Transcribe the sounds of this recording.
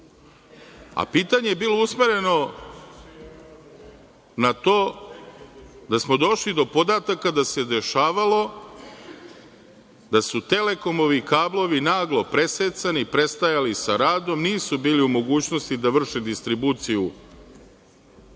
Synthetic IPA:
a̰piːt̪aɲejebiːlo̞usme̞ɾe̞no̞ | nat̪o̞ː | d̪asmo̞d̪o̞ʃlid̪o̞po̞d̪at̪akad̪ase̞d̪e̞ʃaːʋalo̞ | d̪asut̪e̞le̞ko̞mo̞ʋikaːblˠo̞ʋinaːɡlo̞pɾe̞seːt̪sanipɾe̞st̪ajalisaɾaːd̪omniːsubiːliumo̞ɡuːt͡ɕno̞st̪id̪aʋr̩ʃed̪ist̪ɾibuːt̪siju

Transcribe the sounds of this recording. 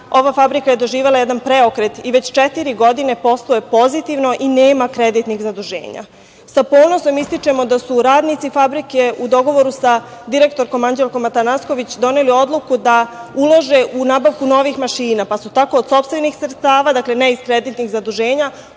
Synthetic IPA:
o̞ʋafabɾikaje̞d̪o̞ʒiːʋe̞laje̞d̪anpɾe̞o̞kɾet̪iʋe̞t͡ɕt͡ʃet̪iɾiɡo̞d̪ine̞po̞slˠoepo̞zit̪iʋno̞ʔineːmakɾe̞d̪it̪nixzad̪uʒe̞̰ːɲa̰ | sapo̞ːnoso̞mist̪it͡ʃe̞mo̞d̪asuɾaːd̪nit̪sifabɾike̞ud̪o̞ɡo̞ʋo̞ɾusa | d̪iɾe̞kt̪o̞ɾko̞maɲd͡ʑe̞lkomːat̪anasko̞ʋit͡ɕd̪o̞ne̞lio̞d̪lˠukud̪aulˠoʒe̞ʔunaːbaʋkuno̞ʋixmaʃiːnapasut̪ako̞ːd̪so̞pst̪ʋenixsrt̪t̪aːʋaːd̪akle̞neiskɾe̞d̪it̪niɣzad̪uʒe̞ːɲa

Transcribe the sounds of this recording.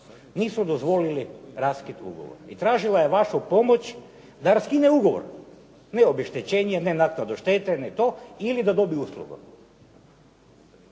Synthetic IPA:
niːsud̪ozʋo̞liliɾaskit̪ṵɡo̰ʋo̰ɾit̪ɾaːʒilajeʋaʃopo̞mot͡ɕ | d̪aɾaskineuɡo̞ʋo̰ɾ | neo̞beʃt̪et͡ɕeːɲenenaknad̪oʃt̪et̪enet̪o̞ilid̪ad̪o̞biuslˠṵɡo̰

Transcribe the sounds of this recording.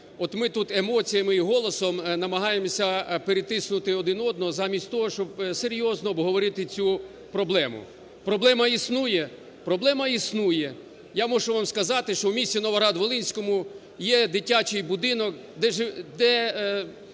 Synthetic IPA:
ɔt̪mɪt̪ut̪emɔt͡sʲijɐmɪiɦɔlˠɔsɔmnɐmɐɦɑjemɔsʲɐpeɾɪt̪ɪsnʊt̪ɪɔd̪ɪnɔd̪̚nɔzɑmʲisʲtʲt̪ɔɦɔʃt͡ʃɔbseɾʲjɔznɔːbɦɔʋɔɾɪt̪ɪt͡sʲu | pɾɔblˠɛmʊ̰ | pɾɔblˠɛmɐisnujɛ | pɾɔblˠɛmɐisnujɛ | jamɔʒʊʋɑmskɐzɑt̪ɪʃt͡ʃɔwmʲisʲinɔʋɐɾɑd̪ʋɔlˠɪnʲsʲkɔmʊ | jɛd̪ɪtʲat͡ʃɪjbʊd̪ɪnɔk | d̪ɛʒɪd̪ɛ

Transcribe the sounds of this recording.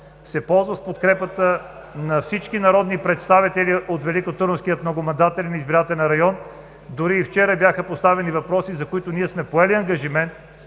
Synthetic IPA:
sɛpɔlˠzvəspot̪kɾɛpət̪ə | nɐfsit͡ʃkinɐɾɔd̪nipɾɛt̪st̪avit̪ɛliot̪vɛlikot̪uɾənskijət̪nɐɡomɐnd̪at̪ɛlʲnizbiɾat̪ɛlɛnɾɐjɔn | d̪ʊɾiːft͡ʃɛɾəbjaxəpost̪avɛnivɐpɾɔsizɐkoit̪oniɛsmɛpoɛliɐŋɡɐʒimɛnt̪

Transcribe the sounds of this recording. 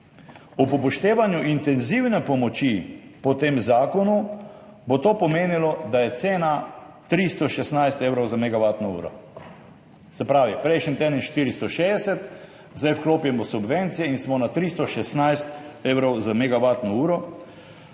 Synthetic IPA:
upɔpɔʃt̪eːʋanjuʔint̪ɛnziwnɛpɔmɔt͡ʃipɔt̪eːmzaːkɔnu | bot̪oːpɔmeːnilɔd̪ajɛt̪seːna | t̪ɾist̪ɔʃɛsnajst̪eːwɾɔwzamɛɡaʋaːt̪nɔṵːɾɔ̰ | sɛpɾaːʋipɾɛjʃnint̪eːd̪ənʃt̪iɾist̪ɔʃeːɛsɛt̪ | zd̪ajfkloːpjɛmɔsubʋent̪sijɛinsmɔnat̪ɾist̪ɔʃɛsnajst̪eːwɾɔwzamɛɡaʋaːt̪nɔuːɾɔ

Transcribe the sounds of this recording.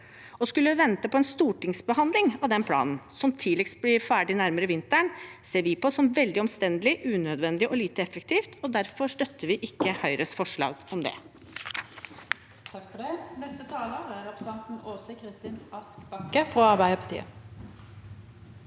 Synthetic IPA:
ɔskʉlːəʋɛnt̪əpʰɔɛnst̪uːʈɪŋsbəhɑnd̪lɪŋɑʋd̪ɛnpʰlɑ̰ːnn̩sɔmt̪ʰiːlɪkst̪̚blɪɾfæːɖɪnæɾməɾəʋɪnt̪əɳseːɾʋɪpʰɔsɔmʋɛld̪ɪɔmst̪ɛnd̪lɪʔʉːnød̪ʋɛnd̪ɪʔɔliːt̪əɛfək̚t̪iːft̪ɔd̪æɾfɔʂt̪œt̪ːəʋɪʔɪkːəhœʏɾəsfɔʂɭɑ̰ːɡɔmd̪ɛ̰ | t̪ʰɑkːfɔɖɛnɛst̪ət̪ʰɑːləɾæɾɑpɾsɛnt̪noːsəkʰɾɪst̪ɪːnɑskbɑkːəfɾoɑɾbæɪəpʰɑt̪ʰḭːə̰

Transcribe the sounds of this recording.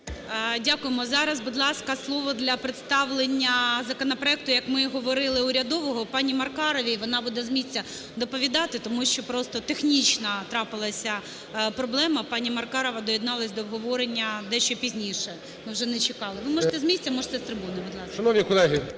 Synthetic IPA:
dʲakʊjemɔzɑɾɐzbud̪lˠɑskɐslˠɔʋɔd̪lʲɐpɾɪt̪st̪ɑʋlˠenʲːɐzɐkɔnɐpɾɔɛk̚t̪ʊjɐkmɪɦɔʋɔɾɪlˠɪʊɾʲɐd̪ɔʋɔɦɔpɑnʲimɐrkɑɾɔʋʲiʋɔnɑbud̪ɛzmʲisʲt͡sʲːɐ | d̪ɔpɔʋʲid̪ɑt̪ɪt̪ɔmuʃt͡ʃɔpɾɔst̪ɔt̪exnʲit͡ʃnɐt̪ɾɑpɪlˠɐsʲɐ | pɾɔblˠɛmɐpɑnʲimɐrkɑɾɔʋɐd̪ɔjid̪nɑlˠɐsʲd̪ɔːbɦɔʋɔɾenʲːɐd̪ɛʃt͡ʃɔpʲizʲnʲijʃɛ | mɪwʒɛnɛt͡ʃɪkɑlˠɪʋɪmɔʒet̪ɛzmʲisʲtʲt͡sʲːɐmɔʒet̪ɛst̪ɾɪbunɪbud̪lˠɑsʃɐnɔʋnʲikɔlˠɛɦɪ

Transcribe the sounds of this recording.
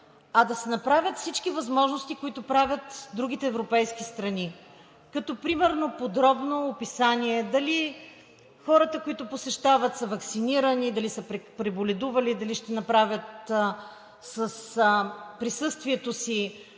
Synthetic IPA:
ɐd̪ɐsɛnɐpɾavʲət̪fsit͡ʃkivɐzmɔʒnost̪ikoit̪ʊpɾavʲjət̪d̪ɾuɡ̟it̪ɛːvɾopɛjsk̟ist̪ɾɐni | kɐt̪ɔpɾimɛɾnopod̪ɾɔbnoːpisaniɛd̪ɐli | xɔɾət̪əkoit̪ʊposɛʃt̪avɐt̪sɐvɐksiniɾənid̪ɐlisəppɾɛbolʲɛd̪uvɐlid̪ɐliʃt̪ɛnɐpɾavʲjət̪ | səs | pɾisɤst̪viɛt̪osi

